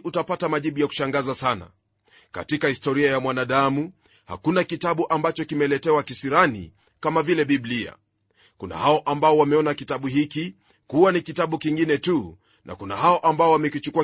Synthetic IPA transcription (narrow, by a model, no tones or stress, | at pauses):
utapatamaʄiɓujaku̥ʃaŋɡazasana̰ | ka̰tikahistɔɾiajamwanaɗamu | ha̰kunakitaɓuʔambat͡ʃɔkimɛlɛtɛwakisiɾanḭ | kamavilɛɓiblia̰ | kuna̰haɔʔambaɔwamɛɔnakitaɓuhiki | kuwanikitaɓukiŋɡinɛtu | nʔa̰kuna̰haɔʔambaɔwamɛkut͡ʃukua